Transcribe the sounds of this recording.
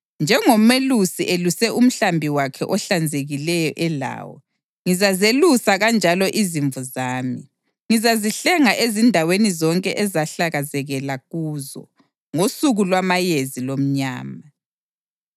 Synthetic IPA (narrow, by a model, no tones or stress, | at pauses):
nd͡ʒʱɛŋɔmelusiʔelusɛʔum̩ɬambʱiwakʰɛ̰ʔɔɬand͡zʱeɣilɛjɔʔɛla̰ːwɔ̰ | ŋizazelusaɣand͡ʒʱalɔʔiziɱvuzaːmi | ŋizaziɬɛŋaʔezindʱawenizɔŋkʼɛʔɛzaɬaɣazɛɣɛlaɣuzɔ̰ | ŋosuɣulwamajezilom̩ɲa̰ːma